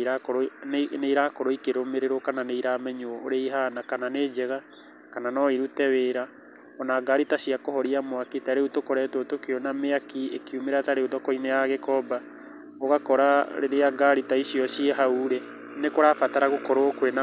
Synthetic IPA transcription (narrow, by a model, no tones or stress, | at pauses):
ɾakoɾoneiɾakoɾoikeɾomeɾeɾokananeiɾamɛɲoɔːɾeiɦanakananed͡ʒɛɣa | kananɔiɾutɛweːɾa | ɔnaːɡaɾitasiakohɔɾiamwakitaɾeutokoɾɛtotokeɔnameakiekeumeɾataɾeuðɔkɔinejaɣekɔba | oɣakɔɾaɾeɾeaɡaɾitaisiɔsieɦauɾe | nekoɾaːfataɾaɣokɔɾokwena